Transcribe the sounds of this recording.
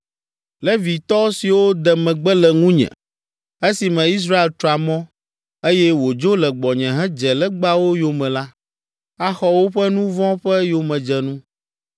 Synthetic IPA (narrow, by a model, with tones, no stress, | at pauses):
lɛ˦vi˨t̪ɔ˦si˨wo˦d̪ɛ˨mɛ̃˨ɡ͡bɛ˦lɛ˨ŋũ˦ɲɛ̰̃˨ | e˦si˨mɛ̃˨i˦s̬ɾa˦e˨lt̪ɾɔ˨a˨mɔ̃˦ | e˦jɛ˦wo˨d͡ʒo˦lɛ˨ɡ͡bɔ˨ɲɛ̃˨ɦɛ̃˦d͡ʒɛ˨lɛ˦ɡ͡ba˦wo˦jo˨mɛ̃˨la˦ | a˦xɔ˦wo˦ɸɛ˦nũ˦vɔ̃˦ɸɛ˦jo˨mɛ̃˨d͡ʒɛ˨nũ˦